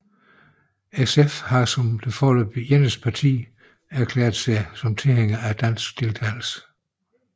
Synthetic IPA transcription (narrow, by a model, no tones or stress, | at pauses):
esefhɑ̈sɒ̽md̥e̝fɒləb̥jenəspʰɑ̈t͡sʰḭː | æɐkʰlɛ̰ːɐðˠsɑ̈ɪsɒ̽mt͡sʰe̝lheŋ̰ɐæd̥æn̰sɡ̥̚d̥e̝lt͡sʰɛɪ̰l̩sə̥